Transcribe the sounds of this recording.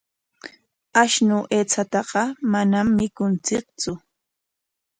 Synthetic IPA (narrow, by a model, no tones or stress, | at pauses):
aʃnʊʔeːt͡sat̪ɑɢɑmanamːɪkʊnt͡sɪk̚t͡sʊ